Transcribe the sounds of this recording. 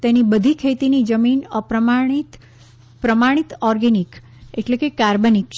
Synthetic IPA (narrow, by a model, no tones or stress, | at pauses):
t̪enibəd̪ʱikʰet̪inid͡ʒəminəpɾəmait̪ | pɾəmaɽ̃it̪ɔɾɡenik | eʈlekekaɾbənik